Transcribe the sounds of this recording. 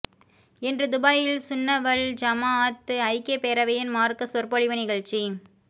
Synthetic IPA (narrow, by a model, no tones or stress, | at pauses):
ɛndrɯd̪ʊbaːjɪlsʊnːɐʋɐld͡ʒɐmaːt̪ːɯɐɪkːeːpeːɾɐʋɐjɪnmaːrkɯsʊrpɔɻɪʋɯnɪɣɐɭt͡ʃi